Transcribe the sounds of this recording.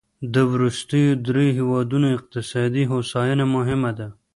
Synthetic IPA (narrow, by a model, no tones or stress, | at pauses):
d̪əwɾust̪əjod̪ɾeɦewɑd̪unoɪq̚t̪ɪsɑd̪iɦosɑjunamʊɦɪmad̪a